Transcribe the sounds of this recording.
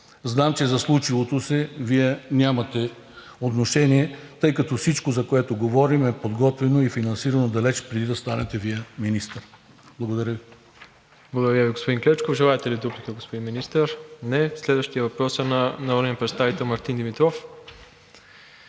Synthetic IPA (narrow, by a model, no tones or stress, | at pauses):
znamt͡ʃɛzɐslˠut͡ʃivot̪osɛviɛnʲamɐt̪ɛ | ot̪noʃɛniɛt̪ɤjkɐt̪ɔfsit͡ʃkozɐkoɛt̪oɡovɔɾimɛpod̪ɡɔt̪vɛnoifinɐnsiɾɐnod̪ɐlɛt͡ʃpɾɛd̪id̪ɐst̪anɛt̪ɛviɛminist̪əɾ | blˠɐɡod̪ɐɾʲjəvi | blˠɐɡod̪ɐɾʲjəviɡospod̪iŋklɛt͡ʃkovʒɛlˠaɛt̪ɛlid̪uplikəɡospod̪inminist̪əɾnɛslɛd̪vəʃt̪ijɐvɐpɾɔsənɐnɐuɾnpɾɛt̪st̪avit̪ɛlˠmɐɾt̪ind̪imit̪ɾɔf